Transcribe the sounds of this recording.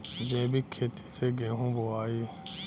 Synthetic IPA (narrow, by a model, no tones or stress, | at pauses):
d͡ʒẽːbikʰeːt̪ʰi̥sʰeːɡẽːɦũːboaːi